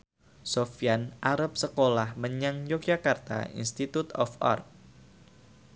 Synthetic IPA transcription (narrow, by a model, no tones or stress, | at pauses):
sofianʔaɾap̚səkolahməɲaŋjɔk̚d͡ʒakart̪a̰ḭnst̪it̪ut̪ɔ̰fɔ̰rk̚